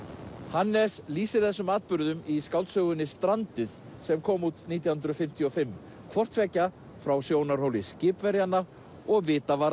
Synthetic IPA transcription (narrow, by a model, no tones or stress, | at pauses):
hanːɛsliːsɪɾ̥θɛsːʏmaːt̪̚pʏɾðʏmiskawlt̪sœːɣʏnːɪst̪ɾant̪ɪð̥ | sɛmkʰɔːmut̪niːt̪jawhʏnd̪ɾʏfɪm̥t̪ʰiɔfɪmː | kʰvɔr̥t̪vɛcːa | fɾawsjoːwnaɾ̥howlɪscɪːpvɛɾjanːa | ɔɣvɪːt̪avaɾ